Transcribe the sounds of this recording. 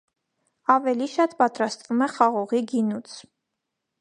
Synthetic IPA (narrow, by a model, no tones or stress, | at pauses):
ɑvɛliʃɑt̪pɑt̪ɾɑst̪vumɛχɑʁɔʁiɡinut͡sʰ